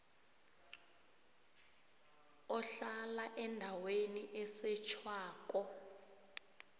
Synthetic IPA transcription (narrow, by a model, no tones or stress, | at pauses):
ɔɬalaʔɛndʱaweniʔɛsɛt͡ʃʰwaːkʼɔ